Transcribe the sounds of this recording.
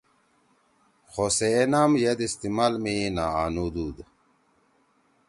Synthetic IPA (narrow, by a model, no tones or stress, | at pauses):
xoseːnaːmjɐd̪ist̪imaːlmina̰ːaːnud̪uːd̪